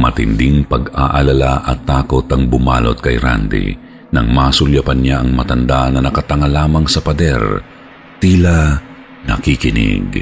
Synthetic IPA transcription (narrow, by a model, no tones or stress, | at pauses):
mɐt̪ɪnd̪ɪŋpɐɡaʔɐlɐlaʔɐt̪ːaːkot̪ɐŋbʊmaːlo̰t̪̚kɐjɾa̰nd̪ɪ̰ | nɐŋmaːsʊljɐpɐnjaɐŋmɐt̪ɐnd̪anɐnɐkɐt̪ɐŋalaːmɐŋsɐpɐd̪ɛ̰ɾ | t̪iːla | nɐ̰kikɪnɪ̰ɡ